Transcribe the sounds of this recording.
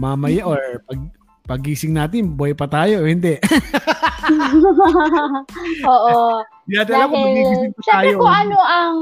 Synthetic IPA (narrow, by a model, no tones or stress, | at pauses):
maːmɐjaʔoɹpɐɡ̚ | pɐɡiːsɪŋnaːt̪ɪnbɐjpɐt̪aːjohɪnd̪ɛʔ | oːʔo | jat̪alakomɐɡniːsiɪŋpɐʃaːaːjokoʔɐnoʔɐŋ